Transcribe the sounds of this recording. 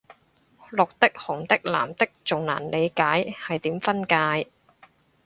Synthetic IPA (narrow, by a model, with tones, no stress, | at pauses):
lʊ˨k̚t̪ɪ˥k̚hʊ˨˩ŋt̪ɪ˥k̚la̰ː˨˩mt̪ɪ˥k̚t͡sʊ˨ŋna̰ː˨˩nle˨˧jkaː˨˥jhɐ˨jt̪iː˨˥mfɐ˥nkaː˧j